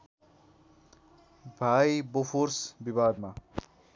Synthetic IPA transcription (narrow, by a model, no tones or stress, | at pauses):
bʱajbopʰorsbibad̪ma